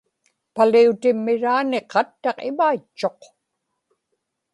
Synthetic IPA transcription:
paliut̪ɪmːɪɻaːneqɑt̪ːɑqɪmait͡ʃːo̞q

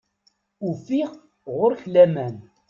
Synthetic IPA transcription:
ufiʁ | ʁʊɾçlæmæn

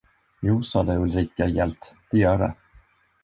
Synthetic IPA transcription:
juːsɑːd̪ɛɵlɾiːkajɛlt̪d̪̥ɛjœːɖɛ̰

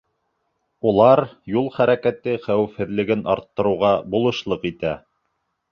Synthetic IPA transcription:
ulˠɑɾjulˠχæɾækæt̪ɘχæwɘ̆fhɘ̆ðlɘ̆ɡɘnʔɑ̰ɾt̪ːɤ̆ɾɤ̆ʁɑbulˠɤ̆ʃlˠɤqit̪æ

